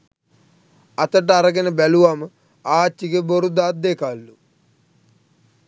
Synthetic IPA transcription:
ɐt̪əʈ̬aɾɐɡenəbɛluʋamə | aːt͡ʃːiɡeboɾud̪aːt̪̚d̪ekalːu

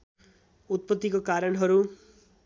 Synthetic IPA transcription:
ut̪̚pʌt̪ːikokaɾʌnɦʌɾu

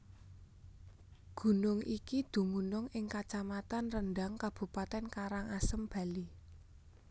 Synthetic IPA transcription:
ɡ̥ṳnʊŋikid̪̥ṳmunʊŋɪŋkat͡ʃamat̪anrənɖaŋkab̥ṳpat̪ɛnkaɾaŋasəmb̥a̤li

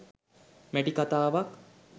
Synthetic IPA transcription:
mæʈikat̪aːʋak

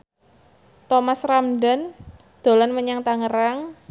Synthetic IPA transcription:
t̪omasramɖən | d̪̥o̤lɔnməɲaŋt̪aŋəɾaŋ

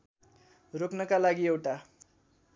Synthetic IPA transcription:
roknʌkalaɡiewʈa

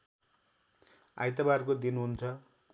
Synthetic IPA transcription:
a̰jt̪abarkod̪inɦunt͡sʰʌ

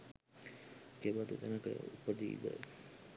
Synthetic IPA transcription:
kebat̪ut̪ɛnəkə̰upəd̪iḭd̪ə̰

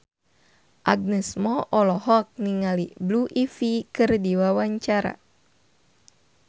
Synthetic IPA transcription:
ʔaɡ̚nɛsmɔʔɔlɔhɔk̚niŋalibluʔifikɨrdiwawaɲt͡ʃaɾa̰

